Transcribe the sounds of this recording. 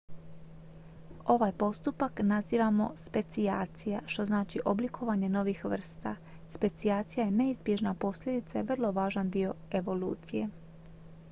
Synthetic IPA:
o̞ʋajpo̞st̪upaknaziːʋamo̞̰spe̞t̪sijaːt̪sijaʃt̪o̞znaːt͡ʃiʔoblikʰo̞ʋaɲe̞no̞ʋixʋr̩st̪a̰ | spe̞t̪siaːt̪sijaje̞ne̞izbje̞ʒnapo̞slʎʲe̞d̪it̪sajeʋr̩lˠo̞ʋaːʒand̪io̞e̞ʋo̞lṵːt̪sije̞

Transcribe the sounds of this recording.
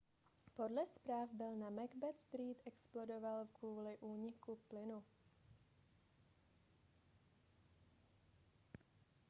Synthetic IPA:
po̞dlɛspɾaːvbɪlnamɛɡbɛt̪st̪ɾiːt̪ʔɛksplo̞do̞valkvuːlɪʔuːɲɪkuplɪnu

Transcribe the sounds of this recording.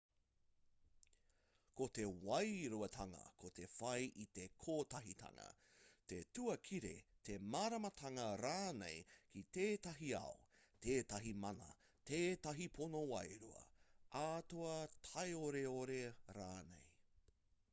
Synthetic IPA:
kot̪e̞wɐjɾuɐtʰɐŋɐ̰kʰot̪ʰe̞fɐjʔit̪e̞kʰoːtɐɦitʰɐ̰ŋɐ̰t̪etuɐkʰiɾḛt̪ʰemaːɾɐmɐtʰɐŋɐɾaːnḛjkʰit̪eːtɐɦiɐ̰ot̪ʰeːtɐɦimɐnɐ̰ | tʰeːtɐɦipʰonowɐjɾuɐ̰ʔaːtoɐtʰɐjoɾeoɾeɾaːnḛj

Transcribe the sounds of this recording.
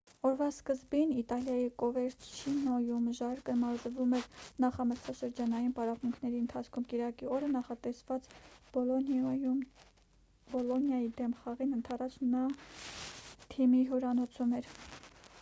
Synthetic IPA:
ɔɾvɑskəzbinit̪ɑljɑjikɔvɛɾt͡sʰʃʰinɔjumʒɑɾkəmɑɾzəvumɛɾnɑχɑməɾt͡sʰɑʃəɾd͡ʒɑnɑjinpɑɾɑvmuŋkʰnɛɾiənt̪ʰɑt͡sʰkʰumkiɾɑkiɔɾənɑχɑt̪ɛsvɑt͡s | bɔlɔnjɑjid̪ɛmχɑʁinənt̪ʰɑrɑt͡ʃ̪ʰnɑ | t̪ʰimiɦɔɾɑnɔt͡sʰumɛɾ

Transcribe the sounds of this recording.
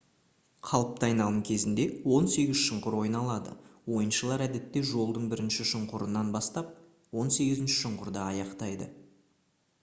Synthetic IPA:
qʰɑlˠəp̚t̪əɑjnɑlˠəmkʲʰe̞zɪnd̪e̞wo̞nse̞ɡʲɪzʃəɴqʊɾwo̞jnɑlˠɑd̪ə̰wo̞jənʃəlˠɑɾæd̪e̞t̪ːe̞ʒo̞lˠd̪əɴbɪɾɪnʃɪʃəɴqʊɾənːɑnbɑst̪ɑp̚ | wo̞nse̞ɡʲɪzɪnʃɪ̥ʃʊɴqʊɾd̪ɑːjɑqt̪ɑjd̪ə̰

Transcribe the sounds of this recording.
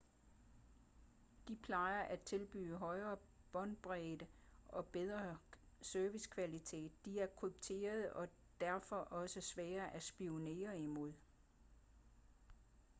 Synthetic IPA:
d̥ipʰlɑ̈ɪɐʔæt͡sʰe̝lb̥y̰ːəɦɒ̽ɪɐː | b̥ɒ̽nd̥̚b̥ʁɛd̥əɒ̽b̥eð̞ˠʁɐ | søɐʋiskʰʋælit͡sʰe̝̰ːd̥ːiæɐkʰub̥̚t͡sʰe̝̰ːɐð̞̩ˠɒ̽ | d̥æɐfɒ̽ʔɒ̽səsʋɛːɐʔæsb̥io̝ne̝̰ːɐimo̝ð̞̰ˠ

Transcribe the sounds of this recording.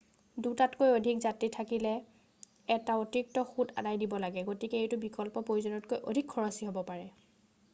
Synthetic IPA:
dutatkojodʱikzatitʰakilɛ | ɛtaotiik̚tɔxuda̰dajdibɔlaɡɛɡotikɛejtʊbikɔlpɔpɹojuzɔnɔt̚kojʔodʱikʰːɔɹasiɦobɔpaɹɛ

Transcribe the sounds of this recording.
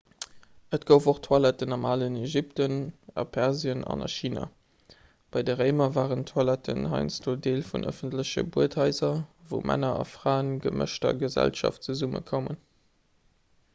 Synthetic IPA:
ətɡ̥əʊfoχtʰwɑlɛtənɑmaːləneʒip̚tənɑpʰɛʁziənɑ̰nɑʃiːna | b̥ɑɪdəʁeɪmɐvaːʁəntʰwɑlɛtʰənɦɑ̰ɪnsdoːdeːlfunʔə̰fəntləɕə̰buəthɑɪzɐvəʊmʔæ̰nɐɑfʁ̥aːʊənɡəmə̰ʃtɐɡəzæ̰lʃɑ̰ft͡səzumə̰kʰomə̰n

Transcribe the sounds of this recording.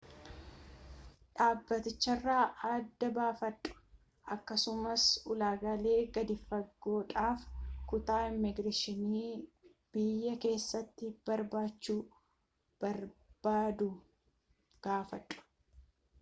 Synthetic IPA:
ᶑaːbːɐt̪ɪt͡ʃːɐrːaːʔad̪ːɐbaːfɐtʼːʊ̥ | ʔɐkːɐsʊmɐsʊlaːɡɐle̞ːɡɐd̪ɪfːɐɡːo̞ːᶑaːfkʊt̪aːɪmːɪɡɾɐʃɪniː | b̥ɪjːɐke̞ːsːɐt̪ːɪb̥ɐɾbaːt͡ʃːuː | b̥ɐɾb̥aːd̪ʊ | ɡ̥aːfɐᶑʼːʊ̥

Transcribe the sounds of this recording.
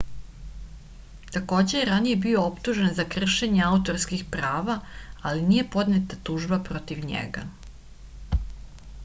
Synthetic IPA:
t̪ako̞ːd͡ʑe̞jeɾanije̞bio̞opt̪uʒenzakr̩ʃe̞ɲeaut̪o̞ɾskixpɾaːʋaaliniːje̞po̞d̪net̪at̪uːʒbapɾo̞t̪iʋɲḛɡa̰

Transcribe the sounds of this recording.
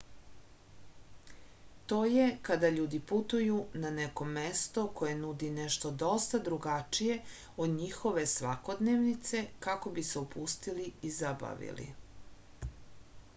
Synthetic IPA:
t̪o̞ːje̞kad̪aʎuːd̪iput̪ujunaneko̞mest̪o̞ko̞je̞nud̪ineʃt̪o̞d̪o̞st̪ad̪ɾuɡat͡ʃije | od̪ɲixo̞ʋe̞sʋako̞d̪neʋnit̪se̞kako̞biseupʰust̪iliizaba̰ʋḭlḭ

